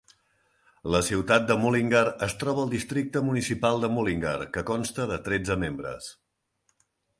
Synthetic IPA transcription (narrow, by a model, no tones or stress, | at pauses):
ləsiwt̪at̪̚d̪əmuliŋɡəɾəst̪ɾɔβəːlˠd̪ist̪ɾik̚t̪əmunisipalˠd̪əmuliŋɡə̰ɾkəkɔnst̪əðət̪ɾed͡zəmembɾə̰s